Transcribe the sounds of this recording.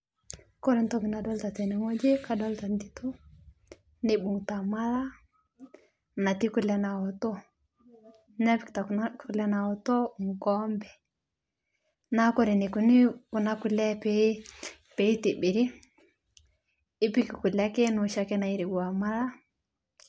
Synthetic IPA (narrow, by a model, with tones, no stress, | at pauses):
kɔ˦ɾe˨n˦tɔ˦kɪ˨na˨dɔ˦lta˨tɛ˨ne˨ŋo˦d͡ʒe˦ka˨dɔ˦lta˨n˦di˨to˦ | nɪ˦bu˨ŋta˨ma˦la˦ | na˨ti˦kʊ˨lɛ˨˦na˨ɔ˨tɔ˦ | na˦pi˨kta˨kku˨lɛ˦na˨ɔ˨tɔ˦ŋ̩˨kɔ˦mbɛ˨ | na˦kɔ˦ɾe˨ne˨ku˨nɪ˦ʊ˨na˦kʊ˨lɛ˦p | pɛ˨i˦ti˨bɪ˨ɾi˦ | ɪ˦pi˦ki˨kʊ˨la˦kɛ˦nʊ˨ʃa˦kɛ˦na˨i˦ɾi˨ɡu˨a˨ma˦la˦